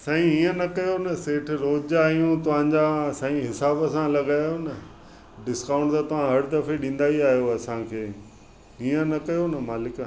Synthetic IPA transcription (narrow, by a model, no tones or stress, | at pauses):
sɐːĩiːə̃nɐkɐjonɐseːʈʰɪ̆ɾoːd͡ʑaijũt̪ɐʋ̤ãːɲd͡ʑasɐĩɦɪsaːbəsãlɐɠaːjonɐ | ɖɪskaːʊ̃ɳʈt̪at̪ɐʋ̤ãɦɐɽd̪ɐfeɗĩːnd̪aːiaːɦijoɐsãkʰeː | iːə̃nɐkɐjonɐmaːlɪk